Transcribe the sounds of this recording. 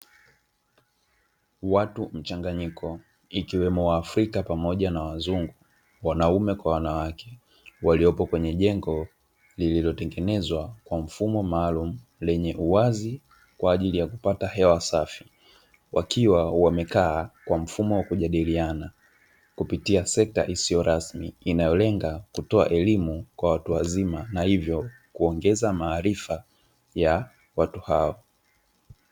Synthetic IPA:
watum̩t͡ʃaŋɡaɲikʰɔ | ikiwɛmɔwaːfɾikapamɔʄanawazuŋɡu | wanaumɛkwawanawakʰɛ̥ | waliɔpɔkwɛɲɛʄɛŋɡɔ | lililɔtɛŋɡɛnɛzwakwam̩fumɔmaːlum̩ | lɛɲɛʔuwazi | kwaːʄilijakupatahɛwasafi | wʔa̰kʰiwawamɛkaːkwam̩fumɔwakuʄaɗiliana | kupitiasɛk̚ta̰ʔisijɔɾʔasmḭinajɔlɛŋɡakutɔa̰ʔɛlimukwawatuwazimanahivjɔ | kuɔŋɡɛzamaːɾifa | ja | watuhaɔ

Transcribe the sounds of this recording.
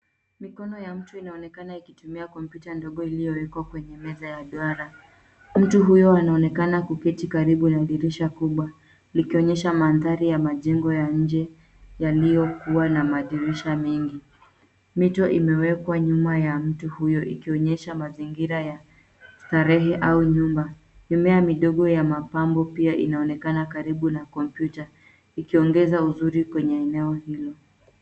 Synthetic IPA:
mikɔnɔjam̩tuinaɔnɛkanaikitumiakɔmpjutandɔɠɔilijɔwɛkwakwɛɲɛmɛzajaɗwaɾa | m̩tuɦujɔanaɔnɛkanakukɛtikaɾiɓunaɗiɾiʃakuɓwa | likiɔɲɛʃamanðaɾijamaʄɛŋɡɔjaɲ̩d͡ʒɛ | jalijɔkuwanamaɗiɾiʃamɛŋɡi | mitɔʔimɛwɛkwaɲumajam̩tuhujɔʔikiɔɲɛʃamaziŋɡiɾaja | taɾɛɦɛʔauɲumba | ɲumɛamiɗɔɠɔjamapambɔpiaʔḭnaɔnɛkanakaɾiɓunakɔmpjuta | ikiɔŋɡɛzauzuɾikwɛɲɛːnɛɔhilɔ

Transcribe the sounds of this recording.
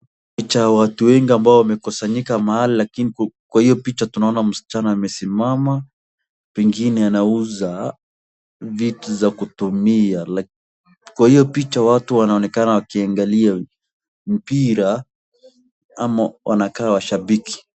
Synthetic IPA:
pit͡ʃajawatuwɛŋɡiambaɔwamɛkɔsaɲikamahalilakinikwahijɔpit͡ʃatunaɔnam̩si̥t͡ʃanɔamɛsimama | pɛŋɡinɛanauza | vituzakutumiala | kwahijɔpit͡ʃawatuwanaɔnɛkanawakiaŋɡalia | m̩piɾa | amawʔa̰nakaːwaʃabiki̥

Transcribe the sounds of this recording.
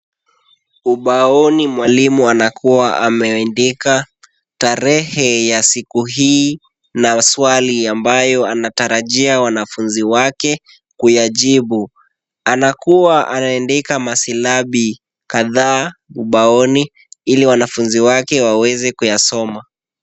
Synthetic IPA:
uɓaɔnimwalimuanakuaʔamɛɛndika | taɾɛhɛjasikuɦiː | naswaliambajɔanataɾaʄiawanafunziwakɛ | kujaʄiɓu | anakuwaʔanaɛndikamasilaɓi | kaðaːuɓaɔni | iliwanafunziwakɛwawɛzɛkujasɔma

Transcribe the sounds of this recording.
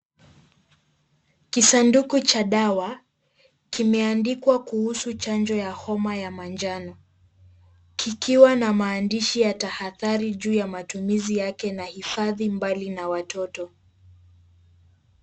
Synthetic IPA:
kisandukut͡ʃaɗawa | kimɛandikwakuhusut͡ʃand͡ʒɔjahɔmajamand͡ʒanɔ | kikiwanamaːndiʃijatahaðaɾiʄuːjamatumizijakɛnahifaðimbalinawatɔtɔ

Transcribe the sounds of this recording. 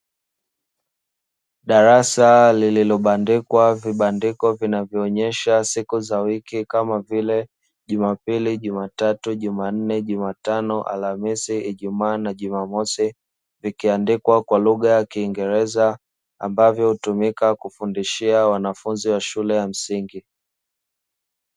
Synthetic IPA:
ɗaɾasalililɔɓandikwaviɓandikɔvinavjɔːɲɛʃasikuzawikikamavilɛ | ʄumapiliʄumatatuʄuman̩nɛʄumatanɔʔa̰lamisiiʄumaːnaʄumamɔsi | vikiandikwakwaluɣajakiːŋɡɛɾɛza | a̰mbavjɔhutumikakufundiʃiawanafunziwaʃulɛjam̩siŋɡi

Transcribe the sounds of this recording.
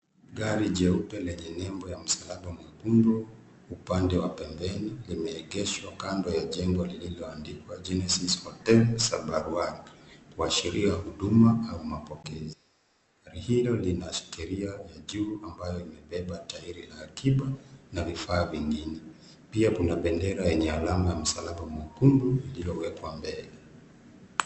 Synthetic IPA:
ɡaɾiʄɛupɛlɛɲɛnɛmbɔjam̩salaɓamwakundɔ | upandɛwapɛmbɛnilimɛːɡɛʃwakandɔjaʄɛŋɡɔlililɔandikwad͡ʒɛnɛsishɔtɛlsaɓaɾuaɾkuaʃiɾiahuɗumaaumapɔkɛzi | aɾihilɔlinaʃi̥kɛɾiajaʄuːambajɔimɛɓɛɓataiɾiaːkʰiɓanavifaːviŋɡinɛ | piakunaɓɛndɛɾajɛɲɛalamajam̩salamamɔkunduililɔwɛkwambɛlɛ

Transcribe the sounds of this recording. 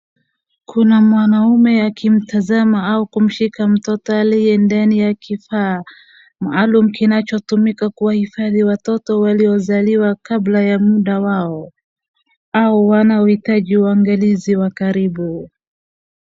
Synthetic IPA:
kʰunamwanaumɛakim̩tazamaaukum̩ʃikam̩tɔtɔalijɛndanijakifa | maːlumukinat͡ʃɔtumikakuwahifaðiwatɔtɔwaliɔzaliwakablajamuɗawaɔ | auwanaɔhitaʄiuaŋɡaliziwakaɾiɓu

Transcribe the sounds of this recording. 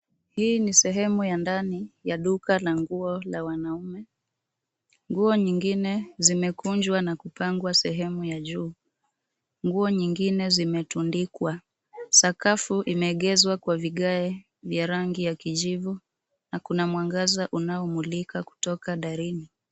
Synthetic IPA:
hiːnisɛɦɛmujandanijaɗukalaŋɡuɔlawanaumɛ | ŋɡuɔɲiŋɡinɛzimɛkuɲd͡ʒwanakupaŋɡwasɛɦɛmujaʄuː | ŋɡuɔɲiŋɡinɛzimɛtundikwa | sakafuʔimɛːɠɛzwakwaviɠaɛ | vjaɾaŋɡijakiʄivu | nakunamwaŋɡazaʔunaɔmulikaku̥tɔkaɗaɾini

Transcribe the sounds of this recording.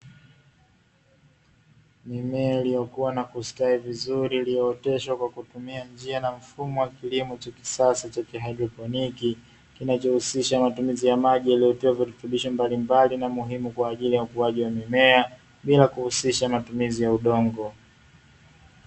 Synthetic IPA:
mimɛailijɔkuwanakustaivizuɾilijɔːtɛʃwakwakutumiand͡ʒianam̩fumɔwakilimɔt͡ʃaki̥sasit͡ʃakiɦadɾɔpɔniki | kinat͡ʃɔhusiʃamatumizijamaʄijalijɔtiwavitutuɓiʃɔmbalimbalinamuɦimukwaːʄilijaukuaʄiwamimɛa | ɓilakuhusiʃamatumizijauɗɔŋɡɔ

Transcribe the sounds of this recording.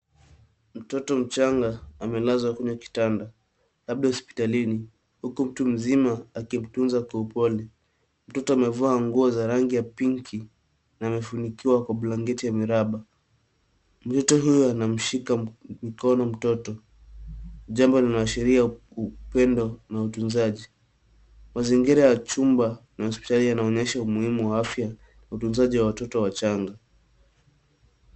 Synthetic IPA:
m̩tɔtɔm̩t͡ʃaŋɡaːmɛlazwakɛɲaki̥tanda | lab̚ɗahɔspi̥talini | hukum̩tum̩zimaːkim̩tunzakɔupɔli | m̩tɔtɔamɛvaːŋɡuɔzaɾaŋɡijapiŋkʰi | naːmɛfunikiwakwaɓulaŋɡɛtijamiɾaɓa | m̩tɔtɔɦujɔanam̩ʃikamikɔnɔm̩tɔtɔ | ʄambɔlinaaʃɛɾia | upɛndɔnautunzaʄi | maziŋɡiɾajat͡ʃumbanahɔspi̥talijanaɔɲɛʃaumuhimuwaafja | nautunzaʄiwawatɔtɔwat͡ʃaŋɡa

